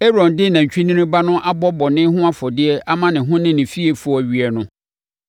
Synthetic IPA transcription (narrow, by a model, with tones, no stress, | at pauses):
e˦ɾɔ̃˨ndɪ˦nã˨ɲ˨t͡ɕᶣi˦nĩ˦nɪ̃˦ba˦nʊ̃˦ʔa˦bɔ˦bɔ˨nɪ̃˦hʊ̃˦a˦fɔ˨dɪ˦ɛ˦ʔa˦mã˦nɪ̃˨ɦʊ̃˦nɪ̃˦nɪ̃˨fi˦e˨fʊ˦˨æ˨ɥi˨ɛ˨nʊ̃˦